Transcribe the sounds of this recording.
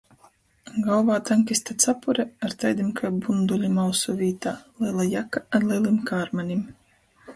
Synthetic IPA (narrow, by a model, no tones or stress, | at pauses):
ɡawvaːt̪aŋkʲist̪at̪sapuɾɛaɾt̪ajd̪ʲimkʰajbund̪ulʲimawsuvʲiːt̪aːlˠilˠajakaad̪lˠilˠimkaːɾmanʲim